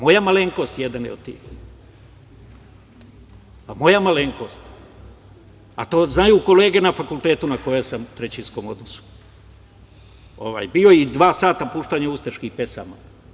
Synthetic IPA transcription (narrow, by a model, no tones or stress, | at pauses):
mo̞jamaleŋko̞st̪jed̪anjɛ̰od̪t̪ḭːx | amo̞jamaleŋko̞ːst̪ | a̰t̪oːznajuko̞le̞ːɡe̞nafakulˠt̪eːt̪unako̞jesamut̪ɾet͡ɕinsko̞mod̪nosu̥ | oʋa̰ːjbioid̪ʋaːsaːt̪apuːʃt̪aɲaust̪eʃkihpe̞sa̰ːma